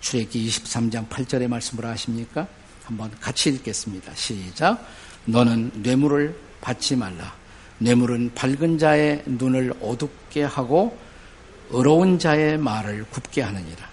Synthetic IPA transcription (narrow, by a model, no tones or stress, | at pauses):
t͡ɕʰuɾe̞ɡiːɕʰi̥p̚s͈amd͡ʑaŋpʰaɭt͡ɕ͈ʌɾe̞maɭs͈ɯmɯɾaɕʰimɲik͈a | hambʌnkat͡ɕʰiːɭk͈e̞s͈ɯmɲid̥a̰ɕʰid͡ʑa | nʌnɯnːwe̞muɾɯɭ | pat͡ɕ͈imaɭːa | nwe̞muɾɯnpaɭɡɯnd͡ʑae̞nunɯɭʌdup̚k͈e̞haɡo | ɯɾʌund͡ʑae̞maɾɯɭkupk͈e̞ɦanɯɲiɾa